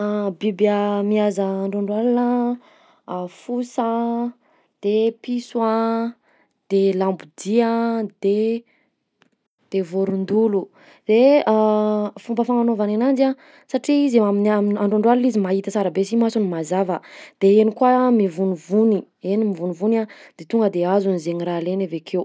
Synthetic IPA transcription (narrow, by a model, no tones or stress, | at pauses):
bibamiazəːɳɖ͡ʐoɳɖ͡ʐalinə | afusa | d̪̥episwã | d̪̥elambud̪iəd̪̥e | d̪̥evoɾund̪ulu | d̪̥e | fumbəfaŋanovananand͡ʒa | saʈ͡ʂiizaminaminaɳɖ͡ʐoɳɖ͡ʐwallizimaɦit̪ət͡saɾabesimasunimazavəd̪̥eenikuamivunivuni | enimivunivunad̪̥et̪uŋɡəd̪eazunzeɲiralenavekʰew